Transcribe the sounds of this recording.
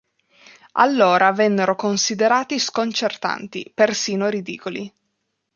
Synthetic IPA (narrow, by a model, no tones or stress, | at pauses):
a̰lːoːɾʔavɛnːeɾokonsid̪eɾaːt̪iskont͡ʃert̪a̰nt̪ḭpersiːnoɾid̪ḭːkoli